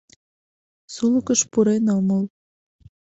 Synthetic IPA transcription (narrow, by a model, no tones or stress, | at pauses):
suləkəʃpuɾenoməl